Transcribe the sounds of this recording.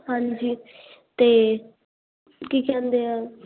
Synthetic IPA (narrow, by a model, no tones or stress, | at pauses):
ɦãɲd͡ʒiː | t̪eː | kiːkɛ̃ːnd̪eɛː